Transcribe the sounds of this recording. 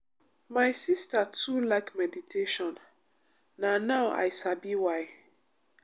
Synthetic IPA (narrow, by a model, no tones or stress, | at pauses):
maɪsistatʰulaɪkmɛditʰeʃɔ̃nː | anaʊʔa̰jsabiwaj